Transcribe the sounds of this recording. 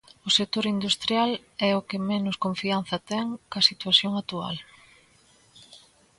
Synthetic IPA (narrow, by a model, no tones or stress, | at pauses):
ʊset̪oɾind̪ust̪ɾjalɛʊkɪmenʊskõɱfian̟θɐt̪ɛŋkɐsit̪waθjoŋat̪ua̰l